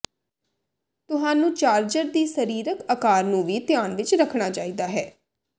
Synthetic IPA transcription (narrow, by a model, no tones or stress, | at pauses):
t̪ʊɦãːnũːt͡ʃaːɾd͡ʒəɾd̪iːsəɾiːɾəkəkaːɾnũːʋiːt̪ɪjaːnʋɪt͡ʃɾəkʰɳ̃aːt͡ʃaːiːd̪aːɦɛː